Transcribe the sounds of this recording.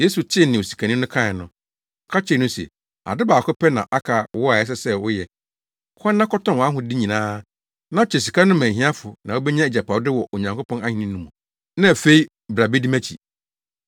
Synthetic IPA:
je˦su˨t͡ɕʰɪ˦nɪ̃˨o˨si̥˨kʰa˨nĩ˦nʊ̃˦kʰã˦ɪ˨nʊ̃˨ | kʰa˦t͡ɕʰɪ˦˨nʊ̃˦sɛ̰˨ | a̰˨dɪ˦baː˨kʰʊ˦pʰɛ˦nã̰˨ʔa˦kʰa˨˦ɔ˦a˨ɛ˦s̬ɛ˦sɛ˦wʊ˦jɛ˨ | kʰɔ̃˦nː˦ã˦kʰɔ˦tʰɔ̃˦n˨wɔ˨˦a˦ɦʊ̃˦di˦ɲĩ˨nãː˦ | nã˦t͡ɕʰɛ˨s̬i˨kʰa˦nʊ̃˦mæ̃˨ɦĩ˦a˦fʊ˨nã˨o˦bɛ˦ɲã˦e˨d͡ʑa˨pʰa˨wdɪ˦wɔ˨ʔo˨ɲã˨ŋkʰo˦pʰɔ̃˦na˦hĩ˨nĩ˦nːũ˦mũ˨ | nã˦æ˨fe˦i˦ | bɾa˨be˦di˦mæ̃˦t͡ɕʰḭ˨

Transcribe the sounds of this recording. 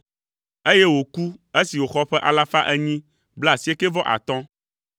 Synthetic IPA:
e˦je˦wo˨ku˦e˦si˨wo˨xɔ˦ɸɛ˦ʔa̰˨la˦fa˦ʔɛ˦ɲĩ˦ | bla˨si˨˦e˦ke˦vɔ˦ʔa̰˨t̪ɔ̃˦

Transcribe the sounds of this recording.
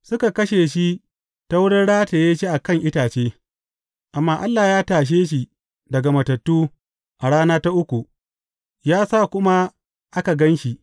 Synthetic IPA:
sʊ˦ka˨kɐ˦ʃeː˨ʃi˦ | ta˦wʊ˦ɽɪ˦nɽaː˦teː˨jaː˦ʃi˦ʔa˨kɐ˦˨ŋʔɪ˦taː˨t͡ʃeː˦ | ʔa˨mːaː˦ʔa˦lːaː˨jaː˦taː˨ʃ̬eː˦ʃ̬i˨ | dɐ˨ɡa˨mɐ˨tɐ˨tːuː˦ | ʔa˨ɽaː˦naː˦ta˦ʔʊ˦kʷu˨ʔ | jaː˦sa˦˨kʷʊ˦ma˦ | ʔa˦ka˨ɡɐ˦nʃi˨ʔ

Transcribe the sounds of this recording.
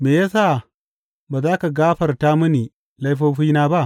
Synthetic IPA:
meː˨jaː˦sa˦˨ | baː˨zaː˦ka˨ɡaː˦ɸɐ˨rta˦mʊ˦ni˨ | la˦jɸoː˦ɸi˦naː˦ba˦ʔ

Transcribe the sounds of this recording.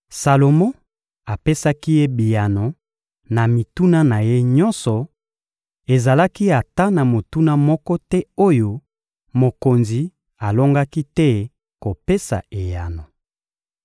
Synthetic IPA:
sa˨lo˨mõ˦ | a˨pe˦sa˦ki˦je˦bi˨ja˨no˨ | na˨mi˨tu˦na˦na˨je˦ɲɔ˦nsɔ˨ | e˨za˨la˦ki˦a˨ta˦na˨mo˨tu˦na˦mɔ˦kɔ˦tɛ˦o˦jo˦ | mo˨ko˨nzi˨ | a˨lo˦ŋɡa˦ki˦tɛ˦ | ko˨pe˦sa̰˨e˨ja˨no˨

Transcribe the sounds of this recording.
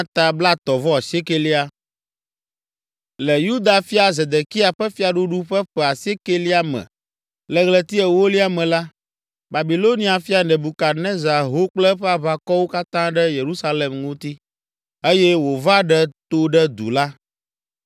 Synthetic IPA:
t̪a˨bla˦t̪ɔ˨vɔ˦a˨si˦e˦ke˦li˦a˨ | lɛ˨ju˦d̪a˨fi˦a˨ze˨d̪e˨ki˦a˨ɸɛ˦fi˦a˨ɖu˦ɖu˦ɸɛ˦ɸɛ˨a˨si˦e˦ke˦li˦a˦mɛ̰̃˨ | lɛ˨ɣlɛ˦t̪i˦ɛ˨wo˦li˦a˨mɛ̃˨la˦ | ba˨bi˨lo˦nĩ˦a˨fi˦a˨nɛ̃˨bu˨ka˨nɛ̃˦za˨ɦo˦k͡plɛ˦ɸɛ˦a˦βa˦kɔ˦wo˦ka˦t̪ã˦ɖɛ˦je˨ɾu˦sa˦le˨mŋũ˦t̪i˦ | e˦jɛ˦wo˨va˦ɖɛ˦t̪o˦ɖɛ˦d̪ṵ˨la˦

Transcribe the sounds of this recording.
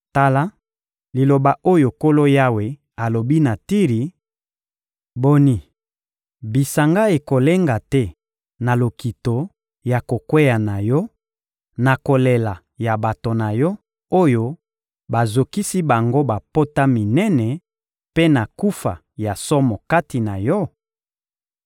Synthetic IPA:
ta˦la˦ | li˨lo˨ba˨o˦jo˨ko˦lo˦ja˦we˨ | a˨lo˨bi˦na˨ti˦ʁi˨ | bo˦ni˦ | bi˨sa˨ŋɡa˦e˨ko˨le˦ŋɡa˨tɛ˦ | na˨lo˨ki˨to˨ | ja˨ko˨kwe˦ja˨na˨jɔ˦ | na˨ko˨le˨la˨ | ja˨ba˨to˨na˨jɔ˦ | o˦jo˦ | ba˨zo˨ki˦si˦ba˨ŋɡo˦ba˨po˦ta˦mi˨nɛ˦nɛ˨ | pe˦na˨ku˦fa̰˨ | ja˨sɔ˦mɔ˨ka˦ti˨na˨jɔ˦

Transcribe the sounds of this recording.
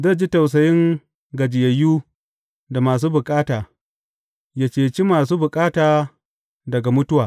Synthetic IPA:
zɐ˦˨d͡ʒi˦ta˨ws̬ɐ˨jɪ˦ŋ | ɡɐ˨d͡ʒɪ˨jɐ˨juː˦ | da˨maː˨s̬uː˦bʊ˨kʼaː˦taː˨ | jaː˨t͡ʃeː˨t͡ʃi˦maː˨s̬uː˦bʊ˨kʼaː˦taː˨ | dɐ˨ɡa˨mʊ˦tʊ˦waː˨

